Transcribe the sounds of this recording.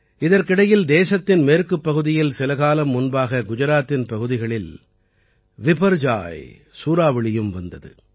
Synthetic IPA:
ɪðɐɾkɪɽɐjɪld̪eːsɐt̪ːɪnmeːɾkɯpːɐɣɯðɪjɪlsɪlɐɣaːlɐmːʊnbaːɣɐɡʊd͡ʒɐɾaːt̪ːɪnpɐɣɯðɪɣɐɭɪl | ʋɪpɐɾd͡ʒa̰ːj | suːɾaːʋɪɭɪjɯmʋɐnd̪ɐðɯ̰

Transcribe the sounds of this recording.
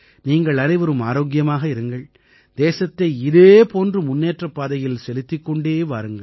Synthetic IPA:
niːŋɡɐɭɐnɐɪʋɐɾɯmaːɾoːɡɪjɐmaːɣɐɪɾɯŋɡɐɭ | d̪̥eːsɐt̪ːɐɪɪðeːpoːndrɯmʊnːeːʈrɐpːaːðɐjɪlsɛlɪt̪ːɪkːɔɳɖeːʋaːɾɯŋɡɐɭ

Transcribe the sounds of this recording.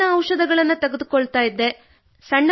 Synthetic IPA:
ɐːwʂɐd̪ɐɡɐɭɐnːɐt̪ɐɡed̪ukoɭt̪aːjid̪ːe̞ | sɐɳː

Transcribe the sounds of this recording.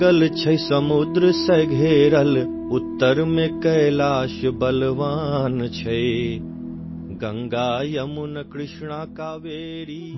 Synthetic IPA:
ɐlt͡ʃʰɐjsɐmud̪ɾəsɐɡʱeːɾɐl | ut̪ːɐɾmẽkɐjlaːʃbɐlʋaːnt͡ʃʰɐe | ɡɐ̃ŋɡaːjɐmunɐkɾɪʃɳaːkaːʋeːɾiː

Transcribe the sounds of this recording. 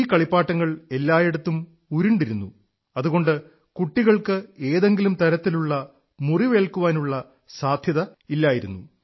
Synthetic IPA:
iːkɐɭipːaːʈːɐŋːɐɭe̞lːaːjeɽɐt̪ːum | uɾiɳɖiɾunːu | ɐðuɣoɳɖɨ | kuʈːiɣɐɭkɨe̞ːðe̞ŋɡilumt̪ɐɾɐt̪ːiluɭːɐ | muriʋe̞ːɭkuʋaːnuɭːɐ | saːd̪ʱjɐðɐilːaːjiɾunːṵ

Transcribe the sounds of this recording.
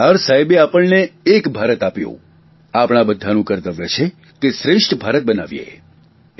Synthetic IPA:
əɾsajbeapəɭneːkbʱaɾət̪apjṵ̃ | apɳ̃abəd̪ʱːanũkəɾt̪əʋjet͡ʃʰe | keʃɾɪʂʈʰbʱaɾət̪̚bənaʋjḛ

